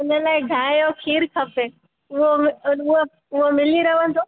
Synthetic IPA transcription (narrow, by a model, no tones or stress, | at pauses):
ʊnəlaːɪɖʱaːjokʰiːɾkʰɐpe | ʊɦomʊɦo | ʊɦomɪliɾɐʋə̃n̆d̪ʱoː